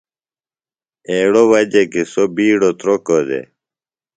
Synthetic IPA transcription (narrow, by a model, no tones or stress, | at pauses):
eːɽowɐd͡ʑekisobiːɽot̪ɾokod̪ḛ